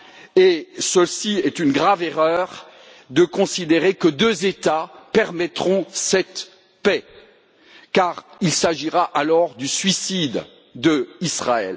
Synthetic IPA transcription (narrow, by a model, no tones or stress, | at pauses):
esəsiɛt̪ynɡʁaveʁœʁ | d̪əkɔ̃sid̪eʁekəd̪øzet̪apɛʁmɛt̪χɔ̃sɛt̪ | pɛ | kaʁilsaʒiʁaʔalɔʁd̪ysɥisid̪ | d̪əisχaɛ̰l